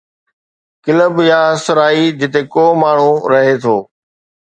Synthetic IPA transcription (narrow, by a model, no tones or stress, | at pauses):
kɪləbjaɐsɾaːid͡ʑɪt̪ekoːmaːɳ̤ũɾɐɦet̪ʰoː